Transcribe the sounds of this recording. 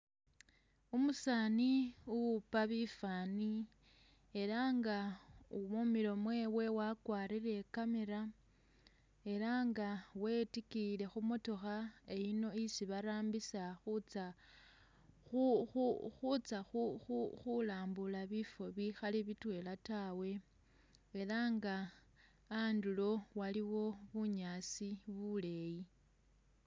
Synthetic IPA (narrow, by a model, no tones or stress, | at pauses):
umusaːniupaβifaːni | e̞ɾaŋɡaumumiɾo̞mwe̞we̞wakwaːɾiɾe̞kameɾa | e̞ɾaŋɡawe̞tikile̞xumo̞to̞xae̞ino̞isiβaɾaːmbisaxut͡sa | uxuxut͡saxuuxulaːmbulaβifo̞βixaliβitwe̞latawe̞ː | laŋɡaː | ndulo̞waliwo̞βuɲaːsiβule̞ji